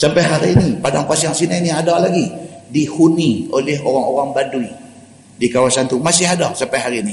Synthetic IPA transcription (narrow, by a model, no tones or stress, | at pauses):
sampajɦaɾinipadaŋpasiaŋsinainiadalaɡidihuniolɛɦoɾaŋo̰ɾaŋbadui | dikawasant̪umasɪɦadasampajɦaɾini